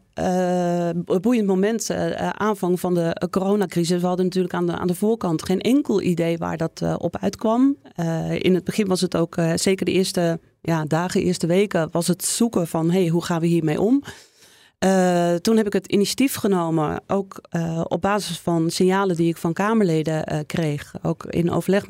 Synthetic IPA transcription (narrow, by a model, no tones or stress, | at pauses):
bujəntmomɛntʔaːnvɑŋvɑndəkoːrownakrizəsʋəɦɑdənatyːrləkaa̰ːndəvoːɹkɑntχejnʔɛŋkəlˠʔḭdejʋa̰ːɹdɔtʔɔ̰pœ̰ɥtkʋɑm | ɪ̰nəd̚bəχɪnʋɑsətowkz̥ejkəɹdəʔɪːɹstə | jaːdaːɣəʔɪ̰ɹstəʋejkəʋɑsətsukəvɑnɦejɦuχaːnʋəɦiːɹmejʔɔm | tunɦɛpɪkɦətḭnisjatifχənowmə̰ʔowkɔ̰b̚baːzəsfɑnsɪnjaːlədiɪkfɑnkaːməɹlejdəkrejχo̰wkɪ̰no̰wvəɹlɛχ